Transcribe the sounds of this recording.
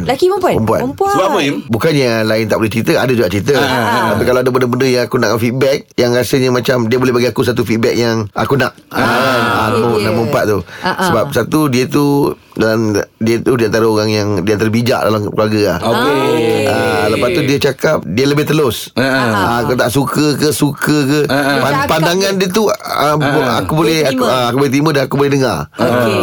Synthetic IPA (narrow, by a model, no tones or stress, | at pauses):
nlakipəmpapəmpua̰npbaəinbukanjalaɪnt̪aʔbolɛht͡ʃɾit̪əadəd͡ʒuɡaʔt͡ʃɾit̪ət̪apikalawadəbəndəbəndəjaŋakunaʔkanfit̪̚bɛk̚jaŋɾasəɲəmat͡ʃamdiəbolɛbaɡiakus̬at̪ufit̪̚bɛk̚jaŋa̰kunaʔ | anamənaməəmpat̪̚t̪usəbap̚sat̪udiət̪u | dalandiət̪udiant̪aɾəoɣaŋjaŋdiant̪aɾəbid͡ʒa̰ʔda̰lakluarɡəa̰hk | ələpat̪udiət͡ʃakap̚diələbɪht̪əlʊs | akut̪aʔsukəkəsukəkəpapandaŋandiət̪̬uəa̰kubolɛhaəakubolɛt̪̬imədanakubolɛhdəŋar